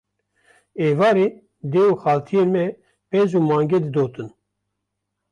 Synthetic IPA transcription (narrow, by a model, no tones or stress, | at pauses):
eːvɑːɾeː | d̪eːuxɑːlt̪ʰijeːnmɛ | pɛzuːmɑːŋɡɛd̪ɨd̪oːt̪ɨn